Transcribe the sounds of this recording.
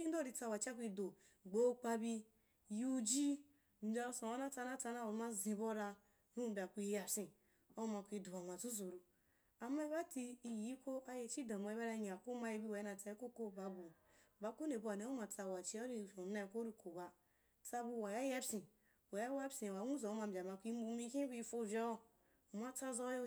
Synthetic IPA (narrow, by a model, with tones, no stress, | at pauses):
i˦do˦ɾi˨t͡sa˦˨wa˨t͡ʃi˦a˦kʷi˧do˨ | ɡ͡bo˦k͡pa˦bi˦ | ju˦d͡ʒi˦ | n̩˨˦˨a˦sã˨wa˦na˦t͡sa˦na˦t͡sa˧˦na˦˨u˨˦ma˦zĩ˨˦bo˦ɾa˧ | nu˦˨ba˨kʷi˦ja˨sĩ˨ | o˦u˦ma˨kʷi˧du˨a˨ma˨su˦zu˨ɾu˨ | a˨ma˦i˦βa˦ti˦i˨ji˦ko˦a˦je˨t͡ʃi˦dã˨ma˨˦i˦a˦ɾa˦ɲ˨a˨ku˦ma˦ji˦bi˦wa˨˦na˨t͡sa˨˦ko˦ko˦ba˨˦bu˨ | ba˨˦ku˦ne˨bu˦a˨ne˦u˦ma˨t͡sa˨wa˨t͡ʃi˦a˦ɾi˦˨fo˨˦na˦˨ko˦ɾi˨ko˨ba˨ | t͡sa˦bu˦wa˨ja˦ja˦psĩ˨ | wa˨ja˦wa˦bsĩ˨wa˨˦wu˦zo˨˦a˨m̩˨bʲa˨ma˨kʷi˦m˦u˦mi˦kĩ˦bi˦fo˦˨vʲa˦o˦˨ | ma˦t͡sa˦zo˦jo˦